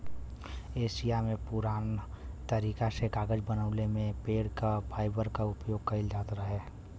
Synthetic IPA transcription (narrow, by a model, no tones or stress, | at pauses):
eːʃijamẽpʊɾaːn | t̪əɾiːkasekaːɡəd͡ʒbənəːlemẽpeːɽkapʰaːɪbəɾkaʊpjoːɡ̚kəɪld͡ʒaːt̪ɾaɦɛː